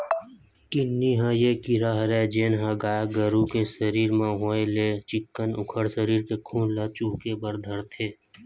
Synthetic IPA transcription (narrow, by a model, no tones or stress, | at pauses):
kinːiɦãjekiɾaːɦɾɛd͡ʒeːnɦə̃ɡaːjaɡəɾukesəɾiːɾmãɦoːelet͡ʃɪkːənʊ̰kʰəɽsəɾiːɾkekʰuːnlat͡ʃuːkebəɾd̪ʱəɾt̪ʰeː